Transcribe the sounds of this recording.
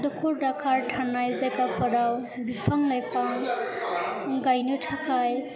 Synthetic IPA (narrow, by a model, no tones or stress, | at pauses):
dɔkʰoɾɖakʰaɾʈʰanajd͡ʒajkapəɾaw | bipʰaŋlajpʰaŋ | ɡajnoʈʰakʰaj